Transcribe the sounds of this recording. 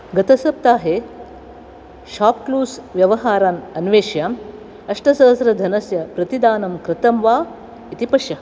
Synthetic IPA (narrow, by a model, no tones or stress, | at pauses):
ɡɐt̪ɐsɐp̚t̪aːɦe | ʃaːp̚kluːsʋjɐʋɐɦaːɾaːnɐnʋeːʃjaːm | ɐʂʈɐsɐɐsɾɐd̪ʱɐnɐsjɐpɾɐt̪id̪aːnɐmkɾɨt̪ɐmʋaː | it̪ipɐʃjɐ